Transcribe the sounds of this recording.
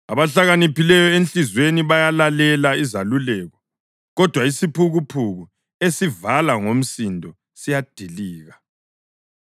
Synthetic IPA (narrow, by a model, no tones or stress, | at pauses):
aβaɬaɣanipilɛjɔent͡ɬizweniβajalalɛlaizalulɛːɣɔ | ɣɔd̥ʱwaisipʰuɣupʰuɣu | esivalaŋom̩sindʱɔ | sijad̥ʱiliːɣa